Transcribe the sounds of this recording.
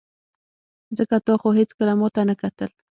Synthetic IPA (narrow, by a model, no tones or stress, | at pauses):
zəkat̪ɑxoɦet͡skəlamɑt̪anəkat̪əl